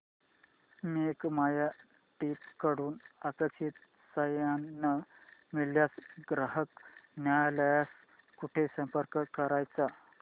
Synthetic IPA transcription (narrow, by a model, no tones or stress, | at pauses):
mekmaja | ʈipkəɽuːnakəɕit̪̚ | səjanːəmiɭjasɡɾəɦəknjajləjas | kuʈʰesə̃mpəɾkəkəɾajt͡sa